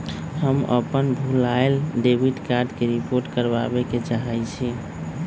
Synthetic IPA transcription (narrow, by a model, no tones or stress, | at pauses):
həmə̰pənbʱulaelɖebʱiɖkaɾɖkeɾipoɾʈkəɾba̰beket͡ʃaɦajt͡ʃʰi